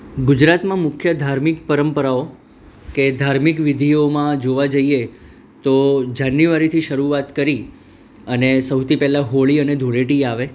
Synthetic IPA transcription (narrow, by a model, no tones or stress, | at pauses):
ɡʊd͡ʒɾat̪mãmʊkʰjəd̪ʱaɾmɪkpəɾəmpəɾao | ked̪ʱaɾmikʋɪd̪ʱiomãd͡ʒoʋad͡ʒəie | t̪od͡ʒanːjuʋaɾit̪ʰiʃəɾuat̪kəɾi | ənesəwt̪ʰipɛlaɦoɭiəned̪ʱuɭeʈiaʋe